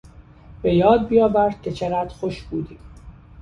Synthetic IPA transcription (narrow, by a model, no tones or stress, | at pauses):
b̥e̞jɒːd̪̚bijɒːbæɾd̪̥̚kʲʰe̞t͡ʃʰeɣæːd̪̥xoʃbuːd̪iː